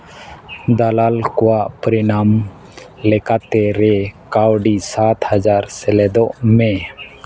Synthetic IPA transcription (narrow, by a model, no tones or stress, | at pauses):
d̪alalkɔwaʔpɾinam | lɛkat̪ɛɾɛkawɖisat̪had͡ʒaɾsɛlɛd̪ɔʔmɛ